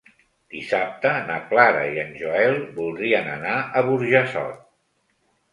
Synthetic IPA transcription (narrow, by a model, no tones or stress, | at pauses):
d̪̥isap̚t̪əːnəplaɾə̰iənʲʒoɛlˠbulˠd̪ɾiənənaʔəβuɾʒəsɔ̰t̪̚